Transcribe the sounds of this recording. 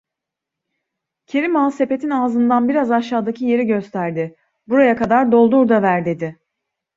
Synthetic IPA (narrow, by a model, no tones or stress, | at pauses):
cʰe̞ɾimaːse̞pe̞t̪ʰinaːzɯnd̪anbiɾazaʃaːd̪acʰije̞ɾiɟø̞st̪ʰæɾd̪ɪ | buɾajakad̪aɾd̪o̞lˠd̪uɾd̪avæɾd̪e̞d̪ɪ